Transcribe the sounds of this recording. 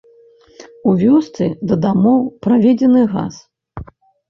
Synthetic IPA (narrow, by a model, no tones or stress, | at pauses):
uvʲɔst̪sɨd̪ɐd̪amɔwpɾavʲɛd͡zʲɛnɨɣa̰s